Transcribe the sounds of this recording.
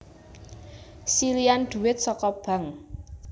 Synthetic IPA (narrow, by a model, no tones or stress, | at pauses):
siliand̪̥ṳwɪt̪̚sɔkɔb̥a̤ŋ